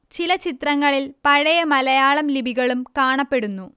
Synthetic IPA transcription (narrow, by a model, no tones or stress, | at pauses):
t͡ɕilɐt͡ɕit̪rɐŋːɐɭilpɐɻɐjɐmɐlɐjaːɭɐmlibʱiɣɐɭumkaːɳɐpːe̞ɽunːu